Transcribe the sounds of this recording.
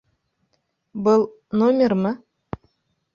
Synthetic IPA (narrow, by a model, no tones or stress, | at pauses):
bɤlˠ | nomʲermɤ